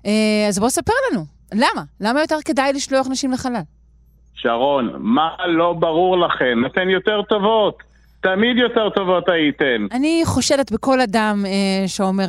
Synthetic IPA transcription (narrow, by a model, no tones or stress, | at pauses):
eazbosape̞ʁlanu | lamalamajo̞t̪e̞ʁke̞dajliʃloaχnaʃimleχalal | ʃaʁo̞nmalo̞baʁuʁlaχe̞nat̪enjot̪eʁt̪o̞vot̪ː | amid̪jo̞t̪eʁt̪o̞vo̞t̪ait̪enaniχo̞ʃele̞tbeko̞ladameʃeome